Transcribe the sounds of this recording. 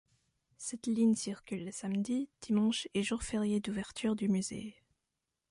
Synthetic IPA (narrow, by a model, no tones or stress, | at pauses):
sɛt̪liɲsiʁkʲylːəsamd̪id̪̥imɑ̃ʃeʒuʁfɛʁjed̪uvɛʁt̪ʰyʁd̪ymyzḛ